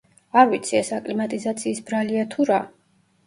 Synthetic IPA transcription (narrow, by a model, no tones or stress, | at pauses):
aɾvit̪sʰiɛsakʼlimat̪ʼizat̪sʰiːsbɾaliat̪ʰuɾa